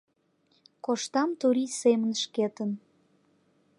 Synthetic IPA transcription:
koʃt̪ɑmt̪uɾisemənʃket̪ən

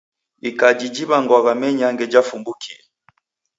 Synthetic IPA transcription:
ikad͡ʒid͡ʒiβaŋɡwaɣamɛɲaŋɡɛd͡ʒafumbukʰiɛ

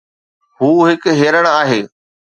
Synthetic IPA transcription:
ɦuːɦɪkɦeːɾəɽ̃aːɦeː

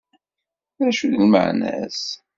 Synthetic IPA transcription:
ɾæʃuðəlmə̰ʕnæ̰s

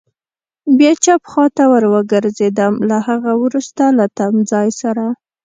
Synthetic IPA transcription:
bjet͡ʃapxɑt̪awəɾwəɡəɾzed̪amlahaɣawɾust̪alat̪amd͡zɑjsaɾa

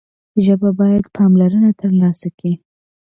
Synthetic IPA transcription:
ʒəbabɑjad̪pʰɑmlaɾənat̪ʰəɾlɑsaki

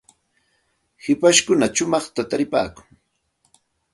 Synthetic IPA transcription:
hɪpaʃkʊnat͡ʃʊmɑχt̪at̪aɾɪpa̰ːkʊŋ

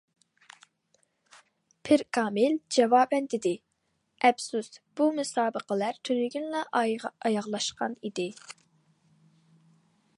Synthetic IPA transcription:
pʰɪɾkʰɑːmɪld͡ʒɛvɑːbɛnd̪ɪd̪ɪ | ʔɛpsusb̥umusɑːbəqəlæɾt̪ʰønyɡʲynlɑʔɑjɑʁlˠɑʃqɑnid̪ɪ

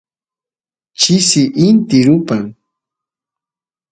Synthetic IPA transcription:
t͡ʃɪsɪʔɪnt̪ɪɾʊpaŋ

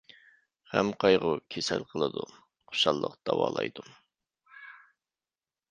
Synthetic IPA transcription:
hɛmqʰɑjʁʊkʲʰesælqʰəlˠɨd̪u | χʰo̥ʃɑlˠːəqd̪̥ɑwɑːlˠɑjd̪um

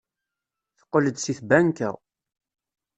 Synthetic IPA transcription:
θə̥qːələd̪siθbænkæ̰

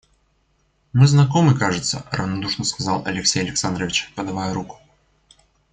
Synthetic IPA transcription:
mɨznakɔmɨkaʐɨt̪sːə̰ɾɐvnad̪uʂnəskazalˠʔɐlʲɪksʲejɐlʲɪksand̪ɾəvʲɪt͡ɕpɐd̪avajɛɾukʊ̥

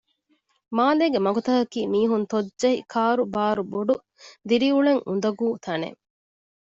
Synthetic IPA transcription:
maːleːɡemɐɡut̪ɐɦɐkiːmiːɦunt̪odʒɐɦikʰaːɾubaːɾuboɖu | d̪iɾiuɭeŋʔund̪ɐɡuːt̪ʰɐnḛ

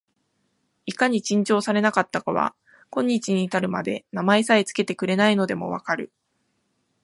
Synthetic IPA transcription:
ikaɲ̟it͡ɕĩɲ̟t͡ɕo̞ːsaɾe̞nakat̪ːakaβa̰ | kõ̞ɲ̟ːit͡ɕiɲ̟iːt̪aɾɯ̟ma̰d̪e̞namaesait͡sɨ̥ke̞t̪e̞kɯ̟ɾe̞naino̞d̪e̞mo̞̰βa̰kaɾɯ̟

